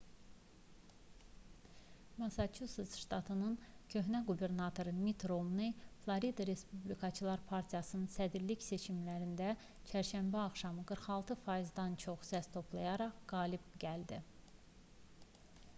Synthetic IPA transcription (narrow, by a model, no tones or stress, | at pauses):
mɑsɑt͡ʃʰusisʃt̪ɑt̪ʰɯnɯncʰø̞ɦnæɡube̞ɾnɑt̪ʰo̞ɾɯmit̪ʰɾomniflˠɑɾid̪ɑɾe̞spublikʰɑt͡ʃʰɯlˠɑɾpʰɑɾt̪ʰijɑsɯnɯnsæd̪iɾliçse̞t͡ʃʰimlæɾind̪æ | t͡ʃʰæɾʃæmbæɑχʃɑmɯɡɯɾxɑlˠt̪ʰɯfɑjizd̪ɑnt͡ʃʰo̞χsæst̪ʰo̞pʰlˠɑjɑɾɑʁɡ̥ɑːlibɟæld̪i